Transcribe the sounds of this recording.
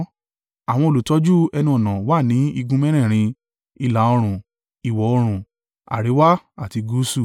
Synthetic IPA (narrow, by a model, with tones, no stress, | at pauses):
a˨w̃ɔ̃˧o˨lu˨˦tɔ˦d͡ʒu˦ɛ˧nũ˧˦ɔ˨nã˨wa˦˨nĩ˨˦i˧ɡũ˦mɛ̃˦ɾ̃ɛ̃˦˨ɾ̃ĩ˧ | i˧la˨˦ɔ˧ɾ̃ũ˨ | i˨wɔ˨ɔ˧ɾ̃ũ˨ | a̰˨ɾe˨˦wa˦a˦˨ti˧ɡu˨˦su˦˨